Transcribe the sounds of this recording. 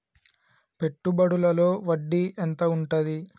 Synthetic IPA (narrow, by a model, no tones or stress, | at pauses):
pe̞ʈːubɐɽulɐlo̞ːʋɐɖːiʔent̪ɐuɳʈɐd̪i